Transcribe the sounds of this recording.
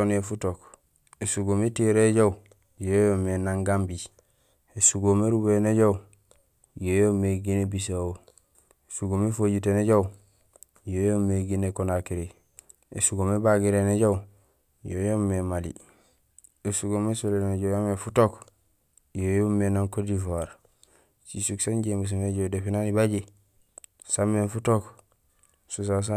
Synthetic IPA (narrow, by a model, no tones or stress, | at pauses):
onefutok | esuɡometiɾeɟau | jojomenaŋɡambi | esuɡoːmeɾubeneɟau | jojomeɡinebis̬awo | esuɡomefoɟit̬eneɟau | jojomːeɡinekonakiɾe | ḛsuɡomebaɡiɾeneɟaw | jojomːemalḭ | esuɡomesoleneneɟajamefutok | jojomenaŋkodifaɾ | sisuksanɟembus̬umeɟodefinanibaɟi | sameːfutok | sus̬as̬a